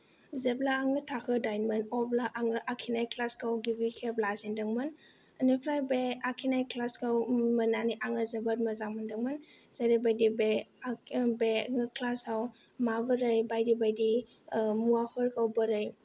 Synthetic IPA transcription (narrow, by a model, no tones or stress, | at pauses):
zeblaːŋɯtʰakʰɯdajnmənɔblaʔaŋɯʔakʰinajkʰlaskawɡibikʰeblazindɯŋmɯn | ənipʰɾajbeakʰinajkʰlaskawmənaniʔaŋɯzebat̚mɐzamɯndɯŋmɯnz̥eɾibajdibe | beŋkʰlasaw | mabɯɾɯjbajdibajdi | muahʰɔɾkʰawbəɾɯj